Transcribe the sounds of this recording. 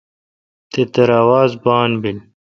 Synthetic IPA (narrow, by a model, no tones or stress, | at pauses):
t̪et̪ɐɾaːwaːzbaːnbil